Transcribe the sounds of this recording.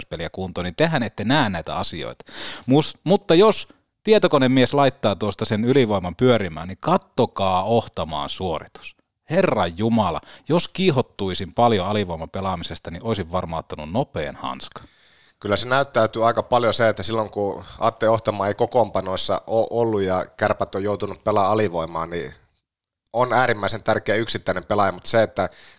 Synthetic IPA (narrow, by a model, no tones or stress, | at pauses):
spelijækuːnt̪onint̪ehænet̪ːenæːnnæit̪æ̰ɑsio̰it̪ɑ̥musmut̪ːɑjos | t̪iet̪okonemmieslɑit̪ːɑːt̪uost̪ɑsenyliʋoimɑmpyøɾimæ̰ːnikɑt̪ːokɑːoht̪ɑmɑ̰ːnsuorit̪u̥s | herːɑjjumɑlɑ̰joskihot̪ːuisimpɑljoɑliʋoimɑpelɑmisest̪ɑniʔoisiʋʋɑrmɑˑut̪ːɑnunnopḛːnhɑ̰nskɑ̥ | kylːæsenæyt̪ːæyt̪yːɑikɑpɑljoseet̪ːæsilːoŋkuɑ̰ːt̪ːelioht̪ɑmɑːeikokompɑnoˑisːɑ̰ʔoːʔolːujjɑkærpæt̪ːojoˑut̪unuppelɑɑliʋoimɑ̰ːnni | onæːɾimːæˑisent̪ærkeæyksit̪ːæinempelɑjɑmut̪seet̪ːæ